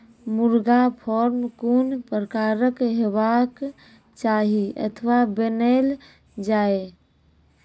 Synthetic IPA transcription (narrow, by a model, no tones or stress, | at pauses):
muɾɡapʰɔɾmkunpɾəkaɾəkɦeʋak | t͡ʃaɦiʔə̰t̪ʰʋabenel | d͡ʒae